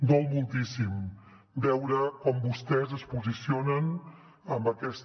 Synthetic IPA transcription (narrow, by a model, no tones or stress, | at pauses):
d̪ɔlˠmulˠt̪isim | bɛwɾəkɔmbust̪ɛzəspuzisionən | əmbəkɛst̪